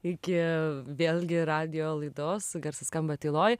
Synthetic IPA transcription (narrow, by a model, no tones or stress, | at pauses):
ɪkʲɪʋʲeːlʲɡʲɪɾɑːd̪ʲɪjoːlˠɐɪd̪oːsɡɐɾsɐskɐmbɐt̪ɐɪlˠoːj